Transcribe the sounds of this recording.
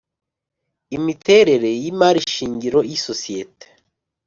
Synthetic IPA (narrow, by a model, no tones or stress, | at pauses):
imite̞ɾe̞ɾe̞jimaːɾiʃiːɲɟiɾo̞jisosijete̥